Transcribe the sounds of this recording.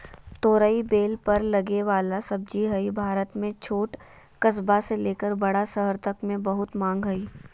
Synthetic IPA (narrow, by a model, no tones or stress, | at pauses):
t̪oːɾəibeːlpɐɾlɐɡeʋaːlasɐb̚d͡ʒiɦɐibʱaːɾət̪mẽt͡ʃʰoːʈ | kəsbaseleːkəɾbɐɽasəɦəɾt̪ɐkmẽbɐɦʊt̪mãːŋɡɦɐiː